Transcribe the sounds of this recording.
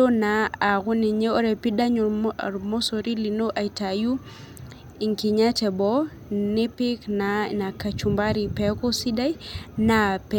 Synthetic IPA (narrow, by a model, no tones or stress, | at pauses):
ɔnaːkuniɲɛɔɾɛpiɗaɲɔɾmɔsoɾilinoʔajtaju | iŋkiɲatɛbɔ | nipiknanakat͡ʃumbaɾipɛkɔsidajnapɛ